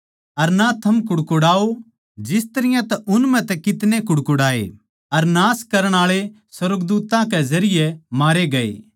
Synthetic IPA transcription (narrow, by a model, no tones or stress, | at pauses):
ɐɾnat̪ʰɐmkʊɽkʊɽaːo | d͡ʒɪst̪ɐɾɪjãt̪ɐʔʊnmɛ̃t̪ɛkɪt̪nekʊɽkʊɽaːḛ | ɐɾnaːskɐɾəɽ̃aːɭe | swɐɾɡd̪uːt̪ãkɛzɐɾɪjemaːɾeɡɐḛː